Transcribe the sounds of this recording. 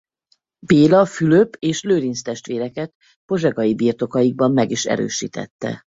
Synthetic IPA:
beːlɒfyløpeːʃløːɾinst̪ɛʃt̪ʋeːɾɛkɛt̪ | po̞ʒɛɡɒjibiːrt̪o̞kɒjiɡ̚bɒmːɛɡiʃɛ̰ɾø̰ːʃiːt̪ɛ̰t̪ːɛ̰

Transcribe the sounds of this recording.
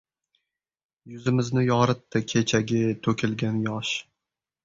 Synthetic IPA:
jʊzɪmɪznɪjɒɾɨt̪ːɪkʲʰet͡ʃʰaɡʲɪt̪ʰɵkʲʰɪlɡʲanjɒʃ

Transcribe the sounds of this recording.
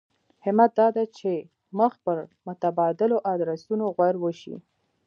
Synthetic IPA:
hɪmat̪̚d̪ɑd̪at͡ʃe | məxpəɾmʊt̪abɑd̪ɪloʔad̪ɾasunoɣwaɾwəʃḭ

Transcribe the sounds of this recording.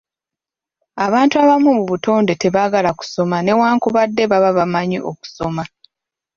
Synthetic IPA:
aβaːntuaβamumuβuto̞ːnde̞te̞βaɡalaku̥so̞mane̞waːŋkuβadːe̞βaβaβamaɲiʔoku̥so̞ma

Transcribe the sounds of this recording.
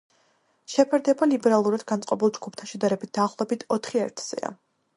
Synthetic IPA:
ʃɛpʰɛɾd̪ɛbalibɛɾalˠuɾad̪̥ɡant̪sʼqʼɔbilˠd͡ʒɡupʰt̪ʰanʃɛd̪aɾɛbit̪̚ʰd̪aːχlˠɔɛbit̪ʰɔt̪ʰχiɛ̰ɾt̪ʰz̥ɛ̰a̰

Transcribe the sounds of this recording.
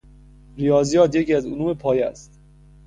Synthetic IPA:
ɾijɒːzijɒːt̪jeciæzonuːmepʰɒːjæ̰st̪

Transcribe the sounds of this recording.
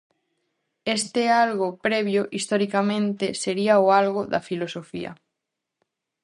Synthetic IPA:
est̪ealɣopɾɛβ̞joʔist̪oɾikamẽnt̪eseɾiaoalɣoða̰filosofḭɐ̰

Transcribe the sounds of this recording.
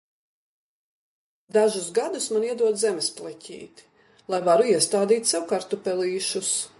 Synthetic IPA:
d̪aʒusɡad̪usmaniɛd̪uɔd̪zɛmesplˠɛcʲʰḭːt̪ | lˠajvaɾuiɛst̪aːd̪iːt̪ʲsɛwkaɾt̪upɛlˠiːʃus

